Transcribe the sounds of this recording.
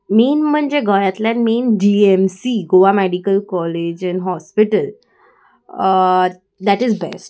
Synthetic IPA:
menm̤əɳd͡ʑeɡəjat̪lɛnmenɖiemsiɡoʋameɽikəlkɔled͡ʑɛnɦɔspiʈəl | d̪æʈizbesʈ

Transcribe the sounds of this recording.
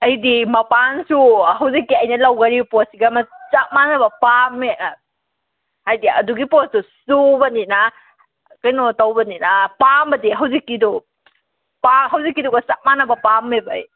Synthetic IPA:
ɐjdimɐpansuɦɐwzikːiɐjnɐlɐwɡɐɾiposiɡɐmɐt͡ʃak̚manɐbɐpamːe | hajdiɐduɡiposdusubɐnina | kɐjnotawbɐninapambɐdiɦɐwzikːido | paɦɐwzikːidɔɡɐsak̚manɐbɐpamːebɐj

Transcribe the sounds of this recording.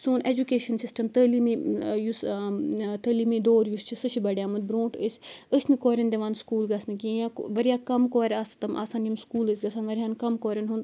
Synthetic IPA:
suːneːd͡ʒukeːʃɐnsisʈɐmt̪əlimijus | t̪əlimid̪oːɾjust͡ʃʰisɨʃʰibɐɽʲjaːmɐnd̪̚bɾõːʈəsʲəsmĩkoːɾʲɐnd̪eʋaːnskuːlɡɐsnik̬ijãːʋɐɾijaːkɐmkoːɾʲast̪ɐmʔa̰ːsaːnjimskuːləsʲɡɐsaːnʋɐɾʲaːnkɐmkoːɾʲɐnɦund̪

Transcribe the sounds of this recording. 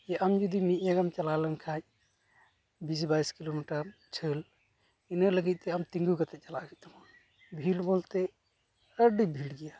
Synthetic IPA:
jeʔəmd͡ʒud̪imijaɡəmt͡ʃɐlaləmkʰaj | bis̬baiskilomiʈəɾt͡ʃʰəl | inələɡit̪eəmt̪ĩŋɡukət̪ʰet͡ʃəlaɡit̪um | bʱilbolt̪e | əɖibʱiɽɡija

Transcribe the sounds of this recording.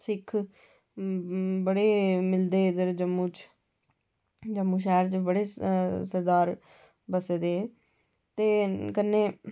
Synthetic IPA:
sɪkʰ | bəɽeːmɪld̪eːɪd̪əɾd͡ʒəmːũːt͡ʃ | d͡ʒəmːũːʃɛːɾt͡ʃbəɽeːsəɾd̪aːɾ | bəseːd̪eː | t̪eːkənːeː

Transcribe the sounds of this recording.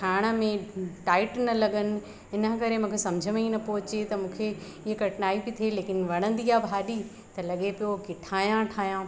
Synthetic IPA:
ʈʰaːɪɽ̃ə̆mẽʈaːɪʈnɐlɐɠənɪ̆ | ɪnə̆kɐɾemũːkʰesɐ̃md͡ʑʱəmẽinɐpoːt͡ɕet̪ɐmũːkʰe | ɪɦkɐʈɪnaːibɪt̪ʰeleːkɪnʋɐɽ̃ə̃nd̪iːaːbʱaːɗi | t̪ɐlɐɠepijoɡɪʈʰaːjãʈʰaːjãː

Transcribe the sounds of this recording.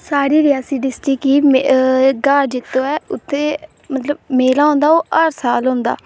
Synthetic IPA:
saːɾiːɾɪaːsiːɖɪsʈɪkiːmɡaːɾd͡ʒɪt̪ʰːõːɛːʊt̪ʰːẽː | mət̪ləb̚meːlaːɦõːnd̪aːoːʔəɾsaːlɦʊ̃ːnd̪a̰ː

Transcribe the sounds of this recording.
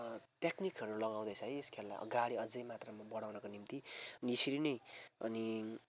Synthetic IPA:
t̪jeknikʌɾulʌɡaw̃d̪ʌjt͡sʰʌjeskʰella̰ʌ̰ɡaɽiʌd͡zʌjmat̪rʌmabʌɽawnʌkonimt̪iʌniesiɾinʌjʌ̰ni

